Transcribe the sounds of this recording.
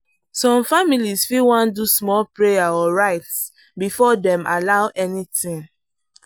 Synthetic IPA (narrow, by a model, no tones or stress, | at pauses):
sɔ̃mfamilisfiwãndusmɔlpɹejaɔɹaɪts | bifɔdɛ̃malaʊʔɛnitĩŋ